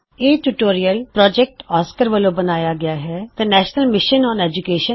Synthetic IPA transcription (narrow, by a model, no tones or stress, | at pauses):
eːʈuʈoːɾiəlpɾɔːd͡ʒɛk̚ʈɔːskəɾʋəlõːbənaːjaːɡɪaːɦɛːt̪ɛːnɛːʃnəlmɪʃənɔ̃ːnɛːd͡ʒʊkeːʃə